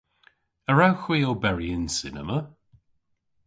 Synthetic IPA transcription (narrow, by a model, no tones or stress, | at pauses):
əɹawxwiːolbɛɹiɪnsɪnə̰mə